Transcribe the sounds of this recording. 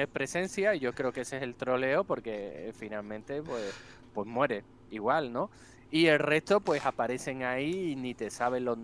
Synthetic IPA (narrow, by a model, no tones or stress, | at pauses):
epɾe̞se̞n̟θjaiʝo̞kɾe̞okeseese̞lt̪ɾo̞le̞opo̞ɾke̞̰finalmẽnt̪e̞pwe̞s | pwe̞mwe̞ɾe̞ | iɣwalno̞ | ie̞lre̞ht̪o̞pwe̞sapaɾe̞θe̞ŋainit̪e̞saβ̞e̞lo